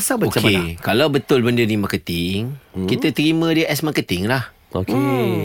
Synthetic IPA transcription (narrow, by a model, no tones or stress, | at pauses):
asabəokekalawbət̪ʊlbəndənimakət̪ɪŋkit̪ət̪ɾimə̃diəʔɛsmakət̪ɪŋlah | oke